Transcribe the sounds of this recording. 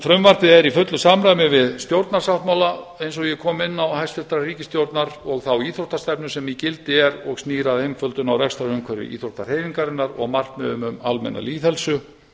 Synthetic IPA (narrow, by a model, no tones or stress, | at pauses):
fɾʏmvaɾt̪ɪðɛɾifʏt̪lʏsamɾaːjmɪvɪðst̪jowɾt̪naɾ̥sawht̪mawlaejnsɔɣjɛkʰɔːmɪnːawhajst̪fɪlt̪ɾariːcɪst̪jowɾt̪naɾɔɣθawiːθɾowht̪ast̪ɛpnʏsɛmicɪlt̪ɪɛɾɔɣstniːɾaðejmfœlt̪ʏnawɾɛkst̪ɾaʏmkʰvɛɾɪ̰ʔḭːθɾowht̪arhejniŋkaɾɪnːaɾɔ̰ɣmar̥t̪mɛðʏmʏmalmɛ̰nːa̰liːθhɛlsʏ